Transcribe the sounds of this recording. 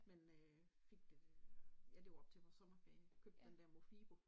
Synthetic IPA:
menø | fe̝ɡ̥̚d̥ejæle̝ʊɒ̽b̥̚t͡sʰe̝ʋɒsɒ̽mɐfɛ̰ːnkʰøb̥̚d̥d̥end̥ɛɐmofḭːpʰɔ̽

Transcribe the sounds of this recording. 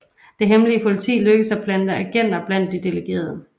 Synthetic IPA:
d̥e̝ɦemliəpʰo̝lit͡sʰḭːløɡ̥əsæb̥ʰlænd̥əæɡ̥en̰d̥ɐb̥læn̰d̥ːid̥e̝leɡ̥e̝̰ːɐð̞ˠə

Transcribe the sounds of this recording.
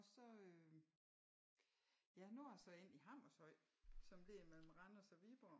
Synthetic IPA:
ɒ̽sɒ̽ø | jænujsɒ̽e̝n̰iɦɑ̈m̰ɒshɒɪ̰sɒ̽mle̝mel̰m̩ʁɑnɐsɒʋib̥ɒ

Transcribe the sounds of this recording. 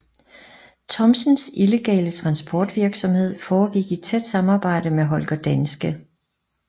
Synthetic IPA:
t͡sʰɒ̽msənsile̝ɡ̥ɛ̰ːlət͡sʰʁɑ̈nsb̥ɒːd̥ʋiɐɡ̥sɒ̽mhe̝ð̞̰ˠfɒːɡ̥iɡ̥id̥t͡sʰed̥sɑ̈mɑ̈ːb̥ɑ̈ɪ̰d̥əmeɦɒ̽lɡ̥ɐd̥ænsɡ̥ə

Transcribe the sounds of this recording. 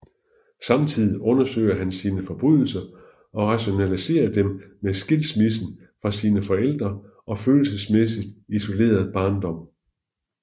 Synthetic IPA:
sɑ̈mt͡sʰið̰ˠiʔɔ̽nɐsø̰ɪ̰ɐɦænsiːnəfɒ̽b̥ʁyð̰ˠl̩sɐ | ɒ̽ʁɑ̈ɕo̝nælise̝̰ːɐd̥emmesɡ̥elsmisn̩ | fʁɑ̈siːnəfɒ̽el̰d̥ʁɐ | ʔɒ̽føːl̩səsmesid̥iso̝le̝̰ːɐð̞ˠb̥ɑ̈ːnd̥ɒ̽m̰

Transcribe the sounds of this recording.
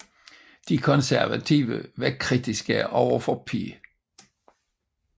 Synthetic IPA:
d̥ikʰɔnsæɐʋæt͡sʰiːʋə̰ʋekʰʁidʰisɡ̥əʔɒʊɐfɒpʰḭː

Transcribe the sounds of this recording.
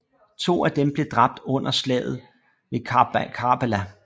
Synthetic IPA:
t͡sʰo̝̰ːæd̥emb̥le̝d̥ʁɑ̈b̥̚d̥ɔ̽n̰ɐslɛ̰ːð̞̩ˠ | ʋe̝kʰɑ̈belæ

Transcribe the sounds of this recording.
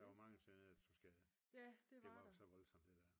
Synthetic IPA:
æʋɒmɑ̈ŋəsʋenet͡sʰusɡ̥ɛ | jæd̥eʋd̥eɑɒ̥sɒʋɒ̽lsɒ̽md̥e̝d̥æɐ̰

